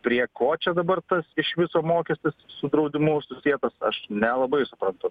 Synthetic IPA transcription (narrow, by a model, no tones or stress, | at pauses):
pʲɾʲiɛkoːt͡ʃʲɛd̪ɐbɐrt̪ɐsɪʃʋʲɪsoːmoːkʲɛsʲt̪ʲɪssʊd̪ɾɐʊd̪ʲɪmʊsʊsʲiɛt̪ɐsɐ̰ʃnʲɛlˠɐbɐɪsʊpɾɐnt̪ʊ